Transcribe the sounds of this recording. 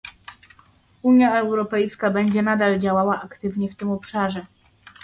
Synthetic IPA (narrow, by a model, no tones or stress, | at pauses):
uɲjaɛwɾɔpɛjskabɛɲd͡ʑɛnad̪ald͡ʑawawaʔakt̪ɘvɲɛft̪ɘmɔpʂaʐɛ